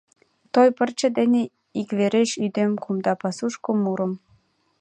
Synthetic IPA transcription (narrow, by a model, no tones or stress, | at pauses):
t̪ojpə̆rt͡ɕə̆d̪ene | ikβeɾeʃyd̪emkumd̪ɑpɑsuʃkomuɾə̆m